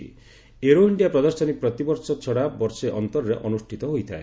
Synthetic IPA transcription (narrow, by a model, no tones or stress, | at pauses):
ḭ | eɾoiɳɖijapɾɔd̪ɔɾsɔnik̚pɾɔt̪ibɔɾsɔt͡ʃʰɔɽabɔɾseʔɔnt̪ɔɾɔɾeʔɔnusʈʰit̪ɔɦojt̪ʰae